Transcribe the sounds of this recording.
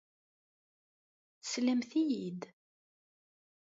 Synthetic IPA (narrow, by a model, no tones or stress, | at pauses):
θəsləmθijid̪